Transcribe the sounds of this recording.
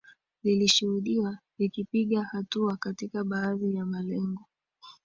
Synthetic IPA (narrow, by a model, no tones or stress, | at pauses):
liliʃuhuɗiwalikipiɠahatuakatikaɓaːðijamalɛŋɡɔ